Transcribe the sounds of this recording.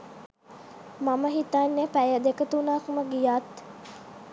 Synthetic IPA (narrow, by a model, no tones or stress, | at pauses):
maməɦit̪aːnːepæjəd̪ekət̪unaːkuməɡijaːt̪